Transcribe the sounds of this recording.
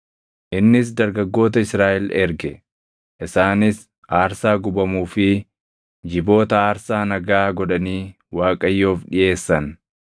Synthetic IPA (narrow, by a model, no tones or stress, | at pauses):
ʔɪnːɪs̬d̪ɐɾɡɐɡːo̞ːt̪ɐɪsɾaːʔɛlɛɾɡɛ | ʔɪsaːnɪs | ʔaːɾsaːɡʊbɐmuːfɪ | d͡ʒɪbo̞ːt̪ɐaːɾsaːnɐɡaːɡɔᶑɐniː | waːkʼɐjːo̞ːfᶑɪʔe̞ːsːɐn